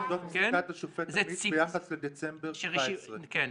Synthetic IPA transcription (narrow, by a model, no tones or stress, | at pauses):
dotsataʃofeteibejaχasled̪et͡sembeʁʃasʁeken